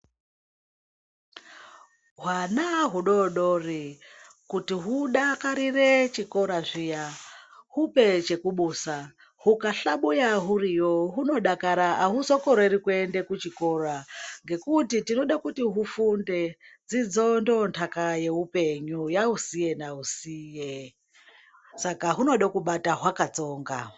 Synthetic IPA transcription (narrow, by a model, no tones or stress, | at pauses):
ɦwanaɦuɗo̞ɗori | kutiɦuɗakaɾiret͡ʃiko̞ɾaʐijahupe̞t͡ʃe̞kuɓuːsa | hukaɬaɓujaɦurijoɦuno̞ɗakaɾaaɦusokoɾeiɾikuende̞kut͡ʃiko̞raŋɡe̞kutitino̞ɗakutiɦufunde̞d͡zid͡zo̞ndontʰakaje̞upe̞ɲujaɦusije̞nausiːje | sakaɦuno̞ɗakuɓataɦwakat͡so̞ːŋɡa